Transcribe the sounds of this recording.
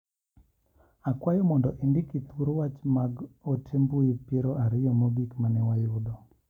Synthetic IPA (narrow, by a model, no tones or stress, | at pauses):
akwajɔmɔndɔʔindɪkit̪wuɾwat͡ʃmaɡotʰembuipeɾɔʔaɾɪjɔmoɡikmanɛwajʊdɔ